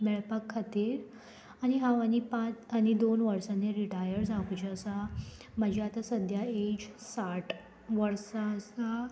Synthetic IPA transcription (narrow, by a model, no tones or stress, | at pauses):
mɛɭpakʰːat̪iːɾ | añiɦãʋañipãt͡sanid̪onʋəɾsanːeɾiʈajəɾd͡zãkut͡ɕəsa | məd͡ʑʱiat̪asəd̪ʱjaed͡ʑsaʈ | ʋəɾsasa